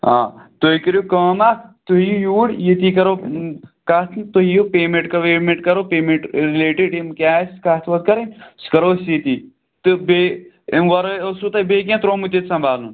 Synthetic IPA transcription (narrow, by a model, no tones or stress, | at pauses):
ã̰ːt̪oikəɾjukəːmakt̪oijujuːɽjit̪iːkɐɾoːkat̪ʰt̪oɦijupeːmẽɳʈkɐʋeːɾmẽɳʈkɐɾoːpeːmeɳʈɾileːʈeɖimkʲaːskat̪ʰʋɐt̪̚kɐɾenskɐɾoːsit̪iː | t̪ɨbe | mʋɐɾɐosut̪ɐbeːk̬ʲãt̪ɾoːmut̪et̪sɐ̃mbʱaːlnun